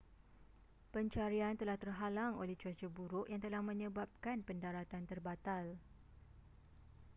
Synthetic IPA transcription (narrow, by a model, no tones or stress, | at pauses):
pəɲt͡ʃaɾiant̪əlaht̪ərɦalaŋo̰lɛhd͡ʒuad͡ʒəbuɾʊʔjaŋt̪əlahmə̃ɲə̃bap̚kanpəndaɾat̪ant̪ərbat̪al